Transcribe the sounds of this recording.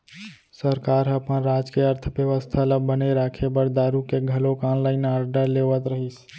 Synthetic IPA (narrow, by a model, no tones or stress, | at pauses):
səɾkaɾɦəpənɾad͡ʒkeəɾt̪ʰbjəʋəst̪ʰalabəneɾakʰebəɽd̪aɾukeɡʱəlokanlaɪnaɾɖəɾleʋət̪ɾəɦis